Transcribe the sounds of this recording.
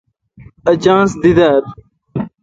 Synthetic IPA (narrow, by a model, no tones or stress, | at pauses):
ɐd͡ʑãːnsd̪id̪aːɾ